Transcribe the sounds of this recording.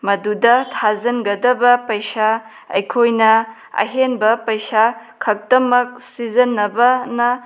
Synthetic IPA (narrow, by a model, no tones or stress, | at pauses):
mɐdudɐtʰazɐnɡɐdɐbɐpɐjsa | ɐ̰jkʰojnɐ | ɐ̰ɦenbɐpɐjsakʰɐk̚tɐmɐk̚sizɐnːɐbɐnɐ